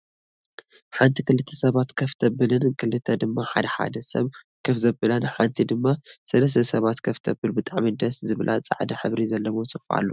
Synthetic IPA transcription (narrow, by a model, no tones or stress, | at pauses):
ħant̪ʰikɨlɨt̪ʰːɐsɐβat̪kʰɐft̪ʰɐbɨlɨnkʰɨlɨt̪ʰɐd̪ɨmːaħad̪ɐħa̰d̪ɐsɐ̰β | kʰɐfzɐbɨlɐnħant̪ʰid̪ɨmːasɐlɐs̬t̪ʰɐsɐβat̪kʰɐft̪ʰɐbɨlbɨt̪ʼaʕmid̪ɐszɨβlʔat͡sʼa̰ʕd̪ɐħɨβɾizɐlːɐβosɨfʔa̰lːo